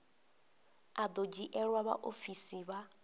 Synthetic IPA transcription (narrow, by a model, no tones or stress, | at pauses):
ad̪od͡ʒiʔɛɺwaβa̰ʔofisiβa